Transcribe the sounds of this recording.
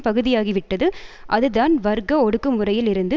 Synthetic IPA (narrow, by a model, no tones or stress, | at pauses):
pɐɣɯðɪjaːɣiʋɪʈːɐðɯʔɐðɯðaːnʋɐɾɡɐɔɽɯkːɯmɯrɐjɪlɪɾɯnd̪ɯ